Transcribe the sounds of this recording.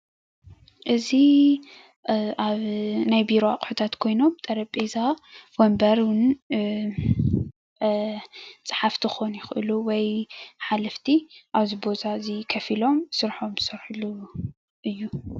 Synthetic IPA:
ʔɨzi | ʔaβnajbiɾoa̰kʼħut̪ʰat̪kʰo̞jno̞mbt̪ʼɐɾɐpʼezawombɐɾwʊn | t͡sʼɨ̥ħaft̪ʰɨxo̞njɪxʔɨ̰luwɔjħalɐft̪ʰiʔaβzibo̞zazikʰɐfilo̞msɨɾħo̞msɨɾħulu | ʔɨjːu

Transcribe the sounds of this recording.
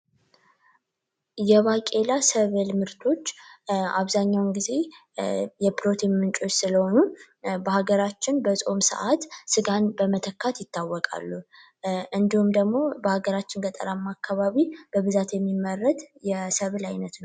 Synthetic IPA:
jɛβakʼe̞lasəβelmɨɾt̪ʰo̞t͡ʃːa̰βzaɲːawnɡize̞ | jɛpʰɾo̞t̪ʰimːɨnt͡ʃʼo̞t͡ʃːsɨləho̞nu | bəhaɡəɾat͡ʃːɪnbəsʼo̞msə̰ʔat̪sɨɡanbəmət̪ʰəkʰːat̪jɪt̪ːawːɔkʼa̰lːu | ʔɨnd̪ihumd̪əɡmo̞bəhaɡəɾat͡ʃːɪnɡət̪ʼə̰ɾamːakːaβaβib̥əβɨzat̪jɛmːimːərːət̪jɛsəβlajnət̪nəw

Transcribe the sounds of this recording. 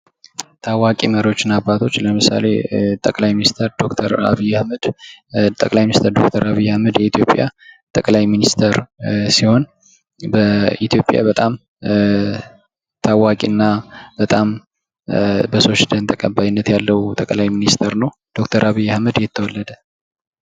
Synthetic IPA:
t̪ʰawakʼiməɾiwo̞t͡ʃːɪnabːat̪ʰo̞t͡ʃːləmɨsa̰le̞̰t̪ʼəkʼlajminist̪ʰəɾd̪o̞kt̪ʰəɾa̰βijːahməd̪̥t̪ʼəkʼlajminist̪ʰəɾd̪o̞̰k̚t̪ʰəɾaβijːahməd̪jɛit̪ʰijo̞pʼja̰t̪ʼəkʼlajminist̪ʰəɾsiho̞n | bəit̪ʰjo̞pʼja̰bət̪ʼam | t̪ʰawakʼinːab̥ət̪ʼam | bəso̞ʃd̪ənt̪ʰəkʼəbːajɪnːət̪jalːəwt̪ʼəkʼlajminist̪ʰəɾnəw | d̪̥o̞kt̪ʰəɾʔaβijːahməd̪jɛt̪ʰːəwɔlːəd̪ə

